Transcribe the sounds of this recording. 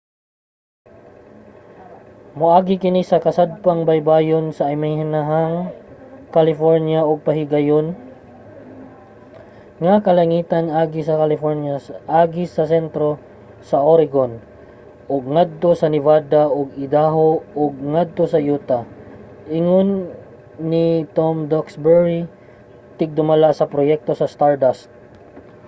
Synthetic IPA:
mʊʔaːɡɪkɪnisɐkɐsad̪̚paŋbɐjbaːjonsɐʔːjmajɦɪnaɦaŋ | kɐlɪfoɹnjaoɡ̚pɐɦɪɡajon | ŋakɐlɐŋiːt̪anʔaːɡɪsɐkɐlɪfoɹnjaʔaːɡɪsɐsɛnt̪ɾo | sɐʔoɾɪɡon | ʔoɡ̚ŋad̪̚t̪o̞sɐnɪvaːd̪aʔoɡɪd̪aɦooɡ̚ŋad̪̚t̪o̞sɐjuːt̪a | ʔɪŋonː | ɪt̪omd̪oksbɛɹi | t̪ɪɡ̚d̪ʊmɐlaʔsɐpɾojɛk̚t̪o̞sɐst̪aɹd̪ast̪̚

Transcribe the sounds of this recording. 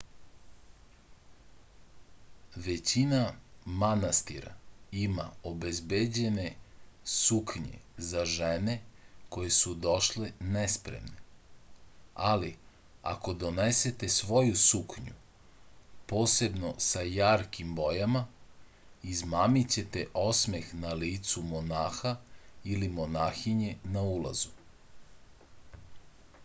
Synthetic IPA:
ʋe̞t͡ɕinamanast̪iɾa̰ima̰obezbed͡ʑe̞ne̞sukɲḛzaʒene̞ko̞je̞sud̪o̞ʃlenɛspɾḛmne | ali | a̰ko̞d̪o̞nese̞t̪e̞sʋo̞jusukɲṵ | po̞ːse̞bno̞sajaːɾkimbo̞jama | izmaːmit͡ɕe̞t̪e̞ʔo̞sme̞xnaliːt̪sumonaːxailimo̞naːxiɲe̞naulˠa̰zu

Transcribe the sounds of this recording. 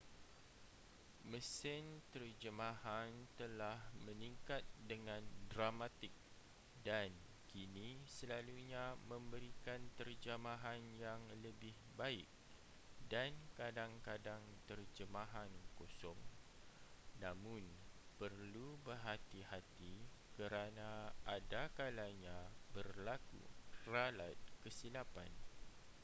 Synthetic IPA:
məsɪnt̪ərd͡ʒəmãhant̪əlahmə̃nĩŋkat̪̚dəŋãndɾamat̪ɪk̚ | dan | kinisəlaluɲamə̃mbəɾikant̪ərd͡ʒamaɦanjaŋləbɪhbaɪk̚ | dankadaŋkadaŋt̪ərd͡ʒəmãɦankosɔŋ | nãmʊ̃npərlubərɦat̪ihat̪ikəɾanaʔadakalaɲãbərlakṵralat̪̚kəsilapa̰n

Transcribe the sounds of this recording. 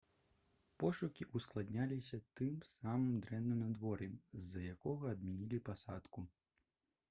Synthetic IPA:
pɔʂukʲiʔusklˠad̪nʲalʲisʲɐt̪ɨmsamɨmd̪ɾɛnːɨmad̪vɔɾʲɛzːɐjakɔɣɐːd̪̚mʲinʲilʲipasat̪ku

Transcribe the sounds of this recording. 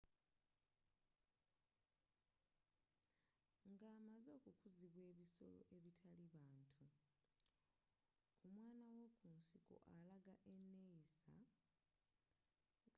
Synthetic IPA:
ŋɡaːmazo̞ːkukuziβwe̞ːβiso̞̰lo̞̰ʔe̞βitʰaliβaːntʰu | kumwaːnawo̞kunsiko̰ʔalaɡaʔenːeisa̰

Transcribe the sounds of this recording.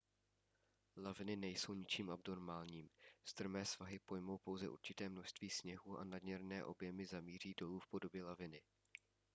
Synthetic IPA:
lavɪnɪnɛjso̞wɲɪt͡ʃiːmʔabno̞ɾmaːlɲiːmst̪r̩mɛːsv̥aɦɪpo̞jmo̞wpo̞wzɛʔṵɾt͡ʃɪt̪ɛːmno̞ʃst̪viːsɲɛɦuːʔa̰nadɲɛɾnɛːʔo̞bjɛmɪzamiːr̝iːdo̞luːfpo̞do̞bjɛlavɪnɪ

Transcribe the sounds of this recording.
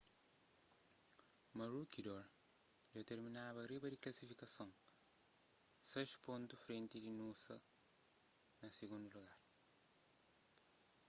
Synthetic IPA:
mɐɾukid̪ɔɾd͡ʒot̪eɾminaβɐɾibɐd̪iklɐsifikɐsõŋ | sɐʃpõnt̪ufɾẽnt̪idinusɐ | nɐsiɡũnd̪uluɣaɾ

